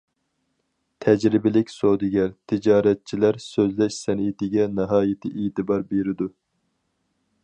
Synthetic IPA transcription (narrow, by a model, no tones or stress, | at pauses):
t̪ʰɛd͡ʒɾɪbɪlɪkʲsod̪ɪɡʲɛɾt̪ʰɪd͡ʒɑːɾɛt̪̚t͡ʃʰilæɾsøzlɛʃsɛnit̪ɪɡʲɛnɨɦɑːjɪt̪ʰɪʔet̪ɨbɑɾbeɾɪd̪u